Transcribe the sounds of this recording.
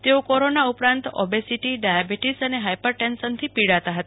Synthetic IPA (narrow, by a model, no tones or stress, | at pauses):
t̪eokɔɾonaupɾãnt̪ɔ̰besiʈiɖajabiʈisəneɦajpəɾʈɛnsənt̪ʰipiɽat̪aɦət̪a